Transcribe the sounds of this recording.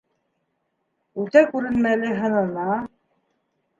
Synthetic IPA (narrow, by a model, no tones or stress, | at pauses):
ʉlt̪ækʉɾɘ̆nmælɘɦɤ̆nɤ̆nɑ